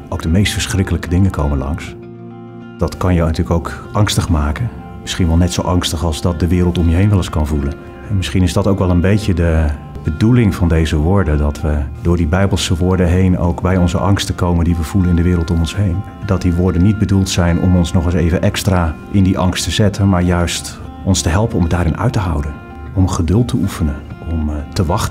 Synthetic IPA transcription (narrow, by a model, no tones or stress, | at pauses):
ʔowɡ̚dəmejstfəɹsχrɪkələkədɪŋəkʰowmənlɑ̰ŋs | d̥ɑtkɑnjənətyːləkowkʔɑŋstəχmaːkən | mɪsχinʋɛlˠnɛtsowʔɑŋstəχɑlˠzdɑt̚dəʋɪːrəlˠtɔmjəɦejnʋɛlˠəskɑnvulən | ɦɛmɪsχinɪzdɑtowkʋɛlˠənbejcədə | b̥ədulɪŋvɑndejzəʋʊːɹdəndɑtʋədʊːɹdibɛjbəlˠsəʋʊːɹdəɦejno̰wkbɛjɔnzəʔɑŋstəkowməndiʋəv̥ulənɪndəʋɪːɾəlˠtɔmɔnsɦejn | dɑt̚diʋʊːɹdənːid̚bədulˠtsɛjnɔ̰mɔnsnɔχəsejvənʔɛkstraːʔɪndiʔɑŋstəzɛtənmaːɹjœɥst | ʔɔnstəɦɛlˠpənɔmdaːɾɪnœ̰ɥtəɦɑwdən | ɔmχədɵlˠtʰːəufənənʔɔmtəʋɑχtə